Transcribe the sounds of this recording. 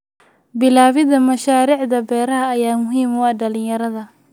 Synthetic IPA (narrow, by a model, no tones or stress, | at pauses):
bɪlaːβɪðɐmɐʃaːɾiːʕd̪ɐbɛːɾɐɦɐːjaːmʊɦiːmwɑːɖɐlɪjɐɾɐðɐ